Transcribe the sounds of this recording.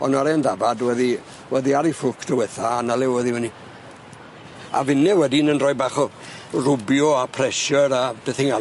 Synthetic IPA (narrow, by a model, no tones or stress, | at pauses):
ɔ̰naɾɛndavadwɛði | wɛðiaɾifʊkʰd̥ɔwɛθaːnalɪwwɛðiwɛni | a̰vɪnɛwɛdinənrɔjbaχɔ | rʊbjɔapʰrɛsjɔɾab̥ɛθɪŋa